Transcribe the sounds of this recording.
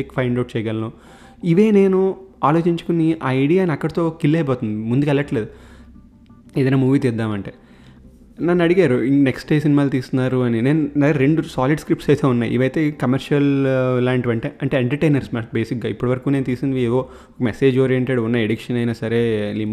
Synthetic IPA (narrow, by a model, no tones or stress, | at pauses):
ikpʰɐjɳɖɐwʈ̚t͡ʃɛːjɡɐlɐnoː | iʋe̞ːne̞ːnuaːlo̞ːt͡ʃiɲt͡ʃu̥kuniʔaːɐjɽijaːniɐkːɐɽɐt̪o̞ːkilːeːboːt̪und̪imund̪ukɐlɐʈːɐle̞ːd̪u | ed̪ɐnamuːʋiːt̪id̪ːaːmɐɳʈeː | nɐnːɐɽiɡaːɾuineksʈeːsinimaːlot̪iːst̪unːaːɾuɐnine̞ːnuɐɾɾe̞ɳɖusaːliɖskɾip̚ʈsɐjt̪e̞ːunːaːj̰ʔḭʋɐjt̪e̞ːkɐmɐɾʂɐlːaːɳʈʋɐɳʈeːɐɳʈe̞ːeɳʈɐɾʈejnɐɾsmaːbe̞ːsik̚ɡaːipːuɽɐʋɐɾɐkuːne̞ːnut̪iːsind̪ieːd̪o̞ː | ɔkɐmese̞ːd͡ʒoːɾijeɳʈeɖunːɐeɽikʂɐnɐjnaːsɐɾe̞ːlim